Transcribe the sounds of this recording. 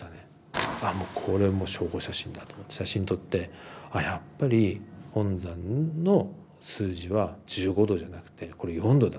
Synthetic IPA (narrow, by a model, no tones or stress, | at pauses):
t̪ane | amo̞ːkʰo̞ɾe̞mo̞ːɕo̞ːɡo̞ɕaɕĩnd̪at̪omot̪ːeɕaɕĩɲit̪o̞t̪ːe̞ajapːaɾʲihõ̞nd͡zãnno̞ | sɨːʑiβad͡ʑɨːɡo̞d̪o̞ʑanakɯ̟̥t̪ʰe̞ko̞ɾe̞iɦõnd̪o̞d̪a